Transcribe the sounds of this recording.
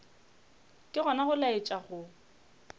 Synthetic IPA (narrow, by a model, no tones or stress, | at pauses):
kʼɪɣɔnaχʊlaɪt͡ʃʼaɣʊ